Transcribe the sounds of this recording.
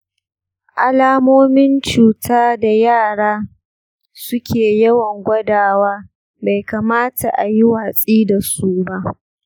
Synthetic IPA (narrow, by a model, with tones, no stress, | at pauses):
ʔa˨laː˦moː˦mɪ˦nt͡ʃuː˨tʰaː˦da˨jaː˦˨ɽaː˦ | sʊ˦kʲʰeː˨jɐ˦wɐ˨ŋɡʷɐ˦daː˨waː˦ | ba˨jkaː˨maː˦ta̰˨ʔa˨ji˦waː˨sʼiː˦da˨su˦ba˦ʔ